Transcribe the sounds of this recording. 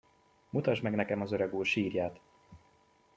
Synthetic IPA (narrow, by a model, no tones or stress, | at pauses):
mut̪ɒʒmɛɡnɛkɛmɒzøɾøɡuːrʃiːrjaːt̪